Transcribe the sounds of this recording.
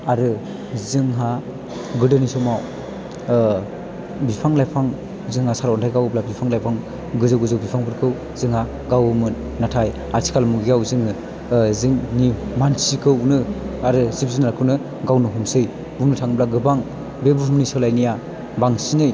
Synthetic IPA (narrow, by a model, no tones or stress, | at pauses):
aɾɯ | zɯŋɦa | ɡɯdɯnisɔmaw | bipʰaŋlajpʰaŋ | zɯŋhasaɾɔntʰajɡawblabipʰaŋlajpʰaŋ | ɡɯzɯwɡɯzɯwbipʰaŋbʰɯɾkʰɯw | zɯŋha | ɡawmɯn | natʰaj | aɾsʰi̥kʰalmuɡiawzɯŋɯ | zɯŋnimansikʰɯwnɯaɾɯzipʰzɯnaɾakʰɯwnɯ | ɡawnɯɦumsɯj | bumnɯtʰaŋɯblaɡɯbaŋ | bebɯhumnisɯlajnija | baŋsinɯj